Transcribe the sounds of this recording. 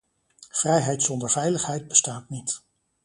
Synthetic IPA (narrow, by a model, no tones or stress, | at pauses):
v̥rɛjɦɛjtsɔndəɹvɛjləχɦɛjd̚bəstaːtnit